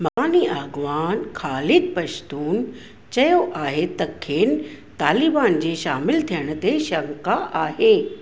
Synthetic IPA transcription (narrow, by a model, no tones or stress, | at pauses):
mɐaːniaːɡʋaːnxʰaːlɪd̪̚pɐʃt̪uːn | t͡ɕɐjoʔaːɦet̪ɐkʰːeːn | t̪aːlibaːnd͡ʑeːʃaːmɪlt̪ʰijəɽ̃ə̆t̪eʃɐŋkaʔaːɦeː